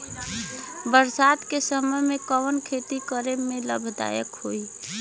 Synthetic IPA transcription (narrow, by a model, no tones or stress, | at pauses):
bəɾsad̪kesəməjmekəwənkʰet̪ikəɾemːeləbʱd̪a̰jəkɦoi